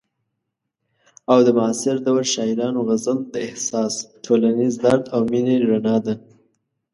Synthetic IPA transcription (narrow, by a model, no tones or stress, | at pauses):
awd̪əmɑsɪɾd̪awalʃɑɪɾɑnoɣazəld̪əɪhsɑsʈʰolanizd̪aɾd̪awmineɾanɑd̪a